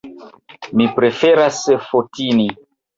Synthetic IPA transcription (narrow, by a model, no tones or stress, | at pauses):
mipɾefeɾasfotini